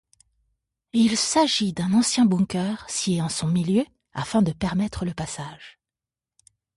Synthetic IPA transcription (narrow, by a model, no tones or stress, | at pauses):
ilsaʒid̪ɛ̃nɑ̃sjɛ̃bɔ̃kʲœʁsjeɑ̃sɔ̃miljø | a̰fɛ̃d̪əpɛʁmɛt̪χələpasaʒ